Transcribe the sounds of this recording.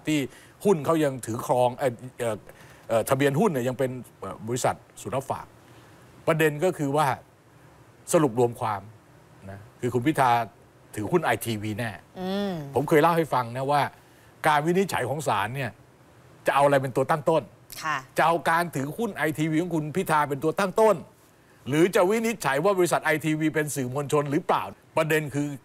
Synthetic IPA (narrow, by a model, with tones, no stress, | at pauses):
t̪ʰiː˥˩ | hu˥˩nkʰa˦˥˩wja˧ŋt̪ʰɯː˩˦kʰlɔː˧ŋʔa˧˩ʔɤː˨˩ | ʔɤː˨˩t̪ʰa˧bi˧ənhu˥˩nːi˩ja˧ŋpe˧nʔəː˨˩bɔː˧i˦˥sa̰˨˩t̪̚su˨˩˦la˦˥˩p̚fa̰ː˨˩k̚ | pɾa˧de˧nkɔː˥˩kʰɯː˧waː˥˩ | sa˧lu˨˩p̚ɾu˧əmkʰwaː˧m | na˦˥kʰɯː˧kʰu˧npʰi˦˥t̪ʰaː˧ | t̪ʰɯː˩˦hu˥˩nʔa˧jt̪ʰiː˧wiː˧nɛː˥˩˧pʰo˩˦mkʰɤː˧jla˥˩wha˥˩jfa˧ŋna˦˥waː˥˩ | kaː˧nwi˦˥ni˦˥t̪̚t͡ɕʰa̰˩˦jkʰɔː˩˦ŋsa̰ː˩˦nːi˥˩ɐ | t͡ɕa˨˩ʔa˧wa˧a˧jpe˧nt̪u˧ɐt̪a˥˩ŋt̪o˥˩n | kʰa˥˩t͡ɕa˨˩ʔa˧wkaː˧nt̪ʰɯː˩˦hu˥˩nʔa˧jt̪ʰiː˧wiː˧kʰɔː˩˦kʰu˧npʰi˥˩t̪ʰaː˧pe˧nt̪u˧ɐt̪a˥˩ŋt̪o˥˩n | ɾɯː˨˦t͡ɕa˨˩wi˦˥ni˦˥t̪̚t͡ɕʰa˩˦jwaː˥˩bɔː˧ɾi˦˥sa˨˩t̪̚ʔa˧jt̪ʰiː˧wiː˧pe˧nsɯː˨˩mu˧nt͡ɕʰo˧nɾɯː˨˩˦pla̰ː˨˩wpɾa˧de˧nkʰɯː˧